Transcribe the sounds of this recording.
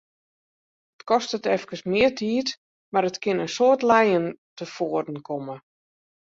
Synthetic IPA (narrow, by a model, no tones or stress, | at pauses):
ətkɔstətɛfkəsmɪətʰiːt | maɾətkɪnənsoːtlɛjəntəfoːərdn̩kʰomə